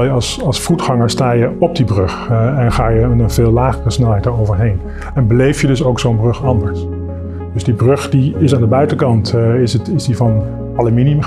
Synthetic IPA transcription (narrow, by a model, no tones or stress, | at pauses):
lˠjəɑsɑlˠsfutχɑŋəɹstaːjəɔb̚dibrøχɛnχaːjənveːlˠlaːχərəsnɛlˠɦɛjtdəɹowvəɹɦejn | ɛnbəlejfjədɵsowksownbrøχɑndəɹs | d̥ɵzdibrøχd̥iɪsaːndəbœɥtəkɑntɪsətɪzdivɑn | ɑləminiəm